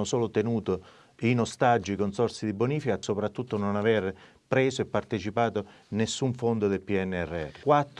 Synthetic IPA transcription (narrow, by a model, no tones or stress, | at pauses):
ʊsoːlʊt̪enuːt̪o | inost̪ad͡ʒːikonsɔrsid̪iboniːfikasopɾat̪ːut̪ːononaver | pɾeːzoepːart̪et͡ʃipaːt̪o | nesːuɱfond̪ʊd̪elpiɛnːɛrːeɛ̰rkwat̪ː